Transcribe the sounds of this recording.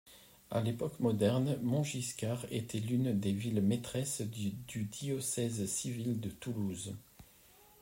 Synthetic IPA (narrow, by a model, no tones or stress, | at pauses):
alepɔkmɔd̪ɛʁnmɔ̃ʒiskʲaʁḛt̪ʰɛlynd̪evilmet̪χɛsd̪̥yd̪iɔsɛzsivild̪ət̪uluz